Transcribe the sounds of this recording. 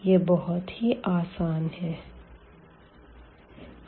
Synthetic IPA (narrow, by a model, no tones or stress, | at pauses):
jebɔɦʊt̪hiʔaːsaːnɦɛː